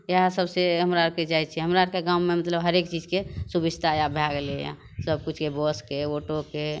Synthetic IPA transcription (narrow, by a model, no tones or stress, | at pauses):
jeɦãsəbseɦəmɾaɾked͡ʒajt͡ʃʰiɦəmɾaɾkeɡãʊmemət̪ləbɦəɾekt͡ʃid͡ʒkesubid͡ʒt̪ʰajabʱjaɡleja̰ | səb̚kut͡ʃʰkebɔskeoʈoke